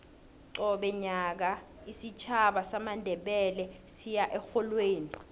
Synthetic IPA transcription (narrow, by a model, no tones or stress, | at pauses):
ǀɔɓɛɲak̬a | isit͡ʃʰaɓasamandʱɛɓɛlɛsijaʔɛxɔlweːni